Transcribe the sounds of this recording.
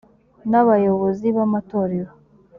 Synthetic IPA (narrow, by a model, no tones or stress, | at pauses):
naβajo̞βo̞ziβamato̞ɾe̞ɾo